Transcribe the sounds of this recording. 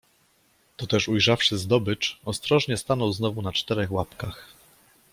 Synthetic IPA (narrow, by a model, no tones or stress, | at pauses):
t̪ɔt̪ɛʂujʐafʂɘzd̪ɔbɘt͡ʂɔst̪ɾɔʐɲɛst̪anɔwznɔvunat͡ʂt̪ɛɾɛxwapkax